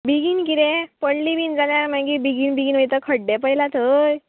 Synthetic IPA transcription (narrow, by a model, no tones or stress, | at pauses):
biɡiːnkit̪ẽpəɽlibind͡zalaɾmaɡiːbiɡiːnbiɡiːnʋəjt̪əkʰəɽɖɛpəɦilat̪ʰəj